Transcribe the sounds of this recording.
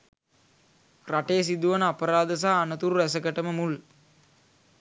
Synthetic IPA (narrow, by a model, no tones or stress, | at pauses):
raʈeːs̬id̪uʋɐnapɐɾaːd̪ɐs̬aːnɐt̪uɾuʋɛs̬ɐkɐʈɐməmul